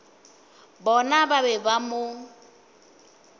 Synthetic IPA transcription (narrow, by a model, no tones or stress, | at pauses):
bɔnababɛbamʊ